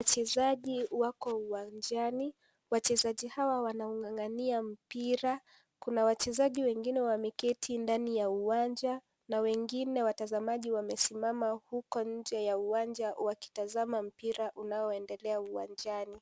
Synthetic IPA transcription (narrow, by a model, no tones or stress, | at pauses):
t͡ʃɛzaʄiwakɔuwand͡ʒani | wat͡ʃɛzaʄihawawanauŋɡaŋɡaniam̩piɾa | kunawat͡ʃɛzaʄiwɛŋɡinɛwamikɛtʰindanijauwand͡ʒa | nawɛŋɡinɛwatazamaʄiwamɛsimamahukɔɲ̩d͡ʒɛjauwand͡ʒawaki̥tazamam̩piɾaʔunaɔɛndɛlɛauwa̰nd͡ʒani